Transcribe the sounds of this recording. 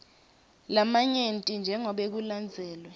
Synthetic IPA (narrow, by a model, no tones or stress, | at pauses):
lamaɲentʼind͡ʒʱɛŋɔɓek̬uland͡zʱɛːlwɛ